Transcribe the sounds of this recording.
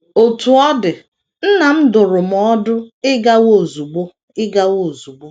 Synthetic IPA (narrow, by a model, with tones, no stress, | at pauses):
o˨tu˨ɔ˦dɪ˨ | n̩˦na˨m̩˦dʊ˨ɾʊ˨m̩˨ɔ˦dʊ˦ɪ˦ɡa˦wo˨zu˨ɡ͡bo˦ | ɪ˦ɡa˦wo˦˨zu˨ɡ͡bo˦